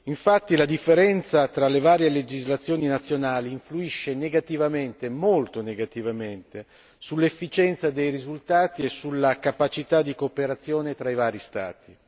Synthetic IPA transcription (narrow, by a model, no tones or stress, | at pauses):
iɱfat̪ːilad̪ifːeɾɛnt̪sat̪ɾalːevaːɾjeled͡ʒizlat̪sːjoːninat̪sːjonaːliːɱfluiʃːeneɡat̪ivament̪emolt̪oneɡat̪ivament̪e | sulːefːit͡ʃɛnt̪sad̪ejrizult̪aːt̪iesulːakapat͡ʃit̪ad̪ːikopeɾat̪sːjoːnet̪ɾaivaːɾist̪a̰ːt̪i